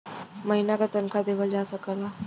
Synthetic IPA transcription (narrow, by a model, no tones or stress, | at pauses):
məɦinakat̪ənkʰad̪eʋəld͡ʑasəkala